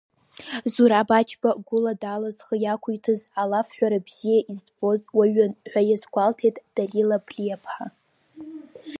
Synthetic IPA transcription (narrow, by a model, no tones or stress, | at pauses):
zuɾabat͡ʃʰbaɡʷʊladalazχəjakʷʰujtʰɨzalafħʷᶣaɾabz̥ijaʔizbo̞zwaɥanħʷᶣajazɡʷaltʰejtʼd̥alilabʰlʲijapʰħa